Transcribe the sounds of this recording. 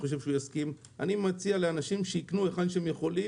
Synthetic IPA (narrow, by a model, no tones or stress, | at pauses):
o̞ʃ̬evʃeujaskim | ʔa̰nimat͡sialeanaʃimʃeiknue̞χadʃeemje̞χo̞li